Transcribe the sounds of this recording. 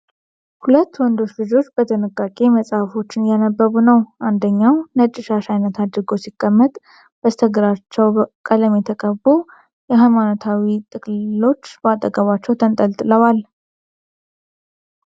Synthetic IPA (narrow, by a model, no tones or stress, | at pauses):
hulət̪ːwɔnd̪o̞t͡ʃlɨd͡ʒo̞t͡ʃːb̥ət̪ʰənɨkʼːakʼe̞məsʼafo̞t͡ʃːɪnjanəbːəβunəwʔand̪əɲːawnət͡ʃʼːɪʃaʃajnːət̪ʰad̪ɾɨɡo̞sikʼːəmːət̪ʼ | b̥əst̪ʰəɡɨɾat͡ʃːɛwkʼələmjɛt̪ʰəkʼəbo | jɛɦajmanot̪ʰawit̪ʼɨkʼlo̞t͡ʃːbəat̪ʼəɡəβat͡ʃːɛwt̪ʰənt̪ʼəlt̪ʼɨləwal